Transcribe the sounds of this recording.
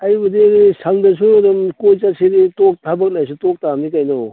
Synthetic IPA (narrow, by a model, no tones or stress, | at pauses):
ajbɐdisʰaŋdɐs̬udɐmkojt͡ʃasʰeditok̚tʰabɐk̚najs̬utok̚tamnikajnɔ